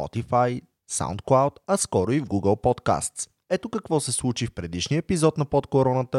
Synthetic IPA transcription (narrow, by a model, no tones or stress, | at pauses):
pɔ̰t̪ifaj | sa̰ʊ̰nt̪̚klˠawt̪ɐskɔɾʊivɡuɡəlˠpɔt̪ka̰st̪s | ɛt̪okɐkvɔsɛslˠut͡ʃifpɾɛd̪iʃnijəɛpizɔt̪nɐpot̪koɾɔnət̪ə